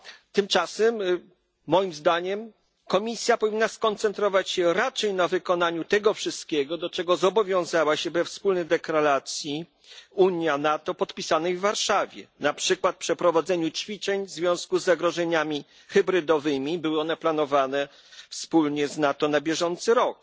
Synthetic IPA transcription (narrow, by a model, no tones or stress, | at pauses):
t̪ɘmt͡ʂasɛmː | ɔjimzd̪aɲɛm | kɔmʲisʲjapɔvʲinːaskɔnt̪sɛnt̪ɾɔvat͡ɕɕɛɾat͡ʂɛjnavɘkɔnaɲut̪ɛɡɔfʂɘst̪̚kʲɛɡɔd̪ɔt͡ʂɛɡɔzɔbɔvʲjɔ̃w̃zawaɕɛbɛfspulnɛjd̪ɛklalat̪sʲji | uɲjanat̪ɔpɔt̪pʲisanɛjvːaɾʂavʲjɛ̰napʂɘkwat̪̚pʂɛpɾɔvad̪zɛɲut͡ɕfʲit͡ʂɛɲvzvʲjɔ̃w̃skuzːaɡɾɔʐɛɲamʲi | xɛbɾɘd̪ɔvɘmʲibɘwɘɔnɛplanɔvanɛ | fspulɲɛznat̪ɔnabʲjɛʐɔnt̪sɘɾɔk̚